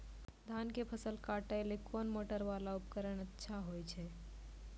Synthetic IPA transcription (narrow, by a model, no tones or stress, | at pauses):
d̪ʱankepʰəsəlkaʈalekʰonmoʈəɾʋalaupkəɾəɽ̃ətːʃʰaɦojt͡ʃʰe